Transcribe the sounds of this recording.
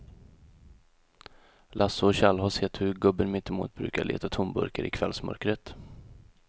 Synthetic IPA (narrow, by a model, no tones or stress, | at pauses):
lʔasʊɔɕalɦɔsheːt̪hɵɾɡɵbənmɪt̪ɛmṵːt̪̚bɾʉ̟ːkaɭḛːt̪at̪ʰʊmbɵ̰ɾkəɾʔɪkʰvɛlsmœ̰ɾkɾət̪